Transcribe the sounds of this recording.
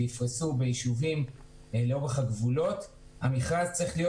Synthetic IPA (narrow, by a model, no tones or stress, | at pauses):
jifʁisubejiʃuvim | leobeχaɡvulo̞t̪ | hamiχʁazt͡sʁiχlijo